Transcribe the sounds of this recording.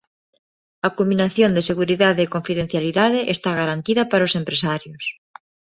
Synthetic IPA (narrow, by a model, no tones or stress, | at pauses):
ɐkumbinaθjond̪eseɣuɾiðaðeːkoɱfiðẽn̟θjaliðaðeʔest̪aɣaɾant̪iðɐpaɾʊsempɾesaɾjʊs